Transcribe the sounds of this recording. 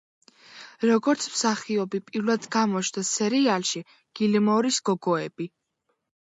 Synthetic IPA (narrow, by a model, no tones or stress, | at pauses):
ɾɔɡɔɾt̪sʰmsaχiɔbipʼiɾlˠad̪ɡamɔt͡ʃʰnd̪asɛɾialˠʃi | ɡ̥ilimɔɾisɡ̥ɔɡɔɛb̥i